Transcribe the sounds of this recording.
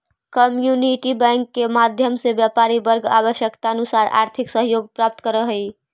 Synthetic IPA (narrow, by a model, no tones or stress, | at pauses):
kəmjuniʈibə̃ŋkːemad̪ʱjəmsebjapaɾibəɾɡa̰βəʃjəkt̪aənusaɾʔa̰ɾt̪ʰiksəɦjoɡ̚pɾap̚t̪kəɾəɦəj